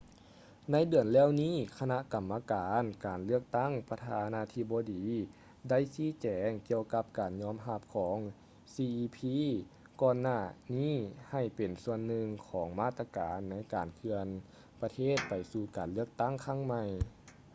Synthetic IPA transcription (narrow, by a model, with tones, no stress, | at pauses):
na˧˥˨jdɯ˨˩ənlɛː˧˥˨wniː˧˥˨kʰa˧na˧ʔka˨˩mːa˧kaː˨˦nkaː˨˩nlɯ˥˩ək̚t̪a˧˥˨ŋpa˧t̪ʰaː˧naː˧˥t̪ʰi˧˩bɔː˧diː˨˦ | da˥˨jsiː˧˥˨t͡ɕɛː˨˦ŋki˧əwka˧p̚kaː˨˩nɲɔː˧˥˨mɦa˧˥˩p̚kʰɔː˩˦ŋ | siː˧ʔiː˧pʰiː˧˥ | kɔː˧nːaː˧˩niː˥˩˨ha˧˩jpe˨˩nsu˧ənːɯ˧ŋkʰɔː˩˦ŋmaː˧˥˩t̪ːa˧kaː˨˩nːa˧˥jkaː˨˩nkʰɯ˧ən | pa˧t̪ʰeː˥˩t̪̚pa˨˩jsuː˧kaː˨˩nlɯ˥ək̚t̪a˥˩ŋkʰa˧˥˩ŋma˧j